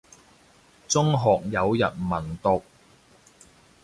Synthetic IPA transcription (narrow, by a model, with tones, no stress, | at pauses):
t͡sʊ˥ŋɦɔː˨k̚jɐ˨˧wjɐ˨t̚mɐ˨˩nt̪ʊ˨k̚